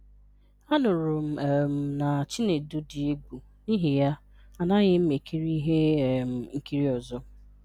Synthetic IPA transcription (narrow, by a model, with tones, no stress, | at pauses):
a˦nʊ˨ɾʊ˨m̩˨m̩˨na˨t͡ʃi˦ne˨du˦di˨e˦ɡʷu˨ | ni˦ɦɪ˨ja˦ | a˨na˦ɣɪ˦m̩˦me˨kʰi˦ɾi˦ɦe˦˨m̩˨ŋ̩˨ki˦ɾi˦ɔ˨zɔ˦